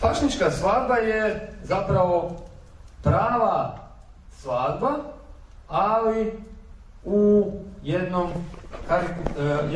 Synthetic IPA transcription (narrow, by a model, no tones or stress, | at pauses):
paʃnit͡ʃkasʋaːd̪̚bajezapɾaʋo̞ | pɾaːʋa | sʋaːd̪baː | li | ujed̪nomkaɾik